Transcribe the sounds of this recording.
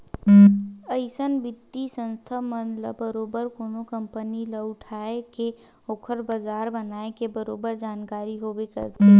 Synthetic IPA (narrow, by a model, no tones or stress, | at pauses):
əɪsənbɪt̪ːisə̃nst̪ʰamənlə̰bəɾoːbəɾkoːnokə̃mpəniləʊʈʰaːeke | oːkʰəɾbəzaːɾbənaːekebəɾoːbəɾd͡ʒaːnkaːɾiɦobekɐ̰ɾt̪eɦɛ̃ː